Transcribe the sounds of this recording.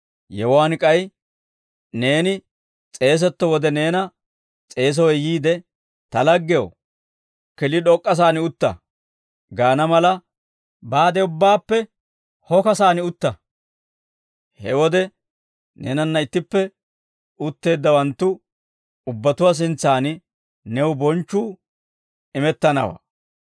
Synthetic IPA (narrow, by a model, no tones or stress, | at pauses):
jɛwwaːnɪkʼɐj | ne̞ːnɪ | t͡sʼe̞ːs̬ɛt̪ːɔwɔd̪ɛne̞ːnɐ | t͡sʼe̞ːs̬ɔwɛjiːd̪ɛ | t̪ɐlɐɡːɛjo̰ | kɪlɪɗɔkʼːɐs̬aːnɪʊt̪ːɐ̰ | ɡaːnɐmɐlɐ | baːd̪ɛʊbːaːpːɛ | hɔkɐsaːnɪʊt̪ːɐ | hɛwɔd̪ɛ | nḛːnɐnːɐɪt̪ːɪpːɛ | ʊt̪ːe̞ːd̪ːɐwɐnt̪ːʊ | ʊbːɐt̪ʊwas̬ɪnt͡sːaːnɪ | nɛwbɔnt͡ʃːuː | ɪmɛt̪ːɐnɐ̰wa̰ː